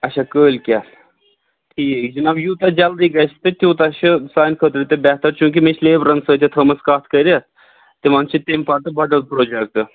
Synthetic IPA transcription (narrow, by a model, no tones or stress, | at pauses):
ɐt͡ʃʰakəːlʲkʲa | ʈ̪ʰiːekʲd͡ʒɐnaːbjuːt̪ɐd͡ʒɐld̪iːɡɐʃt̪ɨt̪ʲjuːt̪ɐʃɨsaːjnkʰət̪ɾit̪ebʲɛɦt̪ɐɾt͡ʃũːk̬imet͡ʃʰleːbɾɐnsəːt̪ʰʲet̪ʰɐmɐskaːt̪ʰkəɾʲa | t̪imɐnt͡ʃʰit̪emʲpaːɾt̪ɨbɐɖɐlpɾoːd͡ʒek̚t̪ɨ